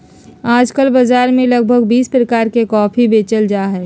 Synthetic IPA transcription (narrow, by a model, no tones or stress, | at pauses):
aːd͡ʒkəlbɐzaːɾmẽləɡ̚bʱəɡ̚biːspɾəkaːɾkekɔːpʰibeːt͡ʃəld͡ʒaːɦɛː